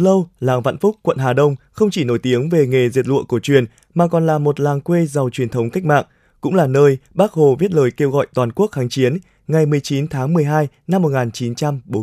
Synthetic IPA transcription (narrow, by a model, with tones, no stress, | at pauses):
lə˧wlaː˨˩ŋva̰˧˨nfʊ˦˥k͡p̚kwə̰˧˨nɦaː˨˩ɗə˧wŋ͡mxə˧wŋ͡mt͡ɕi˧˩no˧˩jt̪i˨˦əŋve˨˩ŋe˨˩zi˨˩ət̚lɨ̰˧əku˧˩ət͡ɕwi˨˩ən | maː˨˩kɔ˨˩nlaː˨˩mo˨˩t̚laː˨˩ŋkwe˧za˨˩wt͡ɕwi˨˩ənt̪ʰə˨˦wŋ͡mka˦˥k̟̚ma̰ː˧˨ŋ | kʊ̰˧˥ŋ͡mlaː˨˩nəː˧jɓaː˦˥k̚ho˨˩vi˦˥ət̚ləː˨˩jke˧wɣɔ̰˧˨jt̪waː˨˩nku˦˥ək̚xaː˨˦ŋt͡ɕi˨˦ən | ŋa˨˩jmɨ˨˩əjt͡ɕi˨˦nt̪ʰaː˨˦ŋmɨ˨˩əjɦaː˧j | na˧mːo˨˩t̚ŋaː˨˩nt͡ɕi˨˦nt͡ɕa˧mɓo˨˦